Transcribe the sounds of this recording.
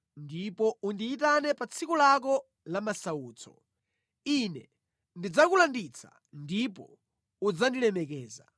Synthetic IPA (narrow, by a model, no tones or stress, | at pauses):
ndipɔundiːt̬anɛpat͡sʰikulak̬ɔ | lamasauːt͡sʰɔ̰ | inɛ | ndid͡zakulandit͡sʰḁ̰ | ndipɔ | ud͡zandilɛmɛkɛːza̰